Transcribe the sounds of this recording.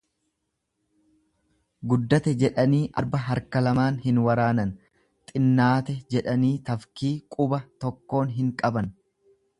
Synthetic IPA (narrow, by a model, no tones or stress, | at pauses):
ɡʊd̪ːɐt̪ɛd͡ʒɛᶑɐniːʔɐ̰ɾbɐɦɐɾkɐlɐmaːnhɪnwɐɾaːnɐn | t̪ʼɪnːaːt̪ɛd͡ʒɛᶑɐniːt̪ɐfkiːkʼʊbɐt̪ɔkːo̞ːnɦɪŋkʼɐbɐn